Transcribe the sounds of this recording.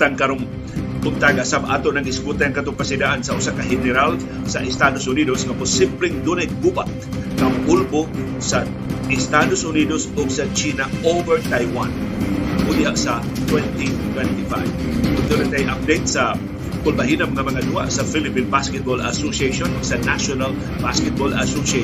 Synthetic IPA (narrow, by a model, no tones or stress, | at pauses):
t̪aŋkaɾoŋ | kʊŋt̪aɡaʔsabʔa̰ːt̪oʔnɐɡɪskut̪aŋkat̪ʊŋpasɪdaʔansaʔʊsakaɦɪnɛɾal | saʔɪst̪ad̪osʊnid̪osŋapʊsːɪmpɾɪŋd̪unɪɡubat̪ | kaŋʔʊlbo | sa | ɪst̪ad̪osʊnid̪osʊɡsat͡ʃinaovɛɹt̪ajwankʊdiaʔsa | t̪wɛnt̪it̪wɛnt̪ifa̰jb | ʊnd̪onat̪ajʔap̚d̪ejt̪̚sa | kʊlbaɦinamŋamɐŋad̪ua̰ʔsafilɪpinbaskɛt̪̚bola̰sosieʃonʊɡsanaʃonal | baskɛt̪̚bola̰sose